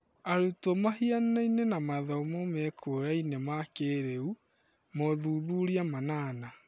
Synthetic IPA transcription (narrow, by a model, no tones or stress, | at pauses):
aɾutɔmaɦiannainenamaðɔmɔmɛkʰoɾainemakeɾeu | mɔðuðuɾiamanaːna